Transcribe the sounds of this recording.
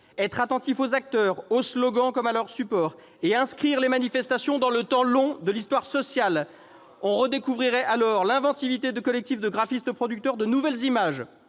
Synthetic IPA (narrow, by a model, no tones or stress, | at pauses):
ɛt̪χat̪ɑ̃t̪ifozak̚t̪œːʁoslɔɡɑ̃kɔmalœʁsypɔːʁ | eɛ̃skχiʁlemanifɛst̪asjɔ̃d̪ɑ̃lət̪ɑ̃lɔ̃d̪əlist̪waʁsɔsjal | ɔ̃ʁəd̪ekuvʁiʁɛʔalɔʁlɛ̃vɑ̃t̪ivit̪ed̪əkɔlɛk̚t̪ifd̪əɡʁafist̪əpχɔd̪yk̚t̪œʁd̪ənuvɛlzimaʒ